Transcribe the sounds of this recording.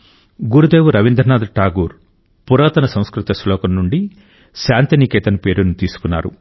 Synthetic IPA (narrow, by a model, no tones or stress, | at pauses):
ɡuɾud̪eːʋuɾɐʋind̪ɾɐnaːd̪ʈaːɡuːɾ | puɾaːt̪ɐnɐsɐ̃w̃skɾut̪ɐslɔːkɐmnuɳɖi | ʃaːnt̪inikɛːt̪ɐnɐpe̞ːɾunut̪iːsu̥kunːa̰ːɾṵ